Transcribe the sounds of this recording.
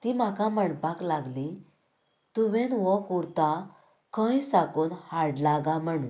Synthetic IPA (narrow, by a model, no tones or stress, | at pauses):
t̪iːm̤akãməɳpaklaɡli | t̪uʋẽnʋɔkuɽt̪a | kə̃jsakoːnhaɽlaɡãm̤əɽ̃un